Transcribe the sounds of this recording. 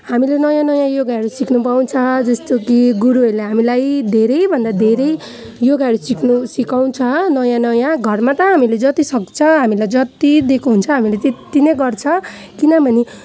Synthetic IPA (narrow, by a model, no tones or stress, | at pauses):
hamilenʌjãnʌjãjoɡaeɽusiknupaw̃t͡sʰʌd͡zʌst̪okiɡuɾuʌleɦamilajd̪ʱeɾʌjbʱʌnd̪ad̪ʱeɾʌj | joɡaɽusiknusikaw̃t͡sʰʌnʌjãnʌjãɡʱʌrmat̪ʌɦamiled͡zʌt̪isʌk̚t͡sʰʌɦamilajd͡zʌt̪id̪ekʰuɦunt͡sʰʌɦamilet̪et̪ːineɡʌrt͡sʰʌ | kinʌbʱʌni